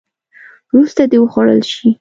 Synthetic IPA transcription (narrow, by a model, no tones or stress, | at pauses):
wɾust̪ad̪ewəxwɑɽə̰lʃi